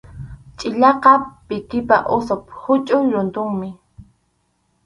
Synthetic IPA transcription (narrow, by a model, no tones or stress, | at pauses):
t͡ʃʼɪʎɑqɑpɪt̪ɪpaʔʊsophʊt͡ʃʼʊɾʊnt̪ʊŋmɪ